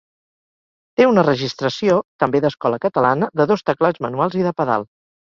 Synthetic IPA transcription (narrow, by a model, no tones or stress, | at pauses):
t̪eunərəʒist̪ɾəsiot̪əmbeðəskɔləkət̪əlanəðəðost̪əklad͡zmənualˠziðəpəða̰lˠ